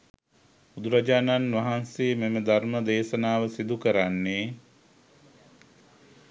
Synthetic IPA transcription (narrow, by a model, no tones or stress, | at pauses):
ud̪uɾad͡ʒaːnanʋaɦansememəd̪ʱarməd̪eːʃənaːʋəsid̪ukəɾanːeː